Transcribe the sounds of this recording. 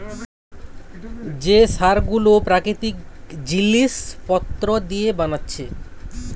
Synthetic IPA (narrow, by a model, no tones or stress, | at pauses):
d͡ʑesaɾɡulopɾakɾit̪ik | d͡ʑilːispɔt̪ːɾod̪ijebanatːɕʰe